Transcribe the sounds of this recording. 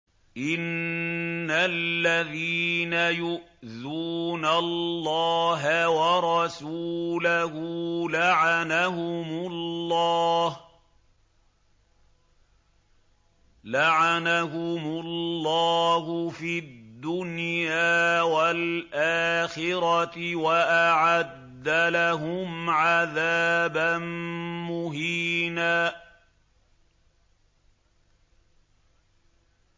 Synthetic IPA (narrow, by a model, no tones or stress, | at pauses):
ʔɪnː | alːaðiːnajʊʔðuːnalːɑːɦawɑɾˤɑsuːlaɦulaʕanahʊmʊlːɑːh | laʕanahʊmʊllːɑːɦʊfidd̪ːʊnjjaːwalʔaːxɪɾɑwaʔaʕad̪ːalaɦʊmʕaðaːbanmʊɦiːnaː